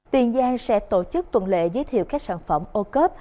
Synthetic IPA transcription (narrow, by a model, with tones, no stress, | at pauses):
t̪i˨˩ənzaː˧ŋsɛ̰˧˥t̪o˧˩t͡ɕɨ˦˥k̚t̪wə˧˩nlḛ˧˨zəː˨˦jt̪ʰḭ˧˨wkaː˦˥k̚saː˧˩nfə˧˩mʔo˧kəː˦˥p̚